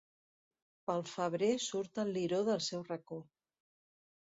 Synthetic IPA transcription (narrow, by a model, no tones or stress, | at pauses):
pəlˠfəβ̞ɾesuɾt̪əlˠːiɾoðəlˠsɛwrəko